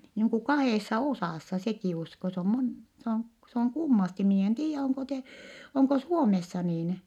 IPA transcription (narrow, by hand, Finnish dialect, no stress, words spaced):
niːŋ ku kɑheˑsːɑ osɑˑsːɑ sekiˑ usko se om mon s oŋ s oŋ kumːɑsti miː en tiːjːæ oŋko te oŋko suomesːɑ niːn